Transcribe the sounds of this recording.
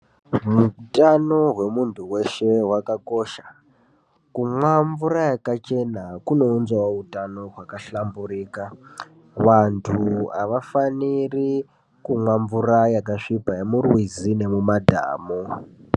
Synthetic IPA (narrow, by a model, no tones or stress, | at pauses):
mutʼano̞ɦwe̞muntʰuwe̞ʃe̞ɦwakako̞ʃḁ | kumwamvuɾajakat͡ʃe̞nakuno̞unzawautʼano̞ɦwakaɬamburiːka | ʋantʰuaʋafaniri | kumwamvuɾajakaʂipaemurwizine̞mumadʱa̰ːmo